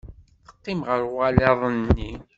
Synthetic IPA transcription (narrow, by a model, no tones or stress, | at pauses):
θə̥qːɪmʁəɾwælɑðˤənːi